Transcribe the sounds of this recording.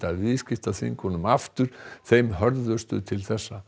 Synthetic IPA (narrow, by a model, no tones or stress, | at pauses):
t̪aðvɪðscɪft̪aθḭŋkɔnʏmaft̪ʏɾ̥θejmɦœɾðʏ̥st̪ʏ̰t̪ʰɪlθɛsːa